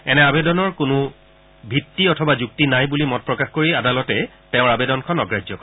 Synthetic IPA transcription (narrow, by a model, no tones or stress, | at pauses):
ɛnɛabedɔnɔɹkʊnʊ | bʱitːiɔtʰɔbazuk̚tinajbulimɔt̚pɹɔkaxkoɹiadalɔtɛ | tẽʊ̃ɹabedɔnkʰɔnɔɡɹajzɔkɔ